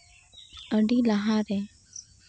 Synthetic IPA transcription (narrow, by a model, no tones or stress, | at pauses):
əɳɖilaɦaɾe